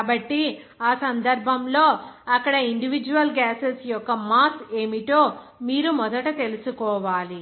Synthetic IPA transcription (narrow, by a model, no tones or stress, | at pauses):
bɐʈːi | aːsɐnd̪ɐɾbʱɐmlo̞ːɐkːɐɽɐiɳɖiʋid͡ʒuʋɐlɡaːsesjɔkːɐmaːt̪ʰeːmiʈ̪o̞ː | miːɾumɔd̪ɐʈɐt̪e̞lusukɔːʋaːli